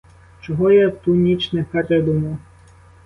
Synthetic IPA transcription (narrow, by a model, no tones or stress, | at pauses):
t͡ʃɔɦɔjɛt̪unʲit͡ʃnɛpɛɾɛd̪umɔ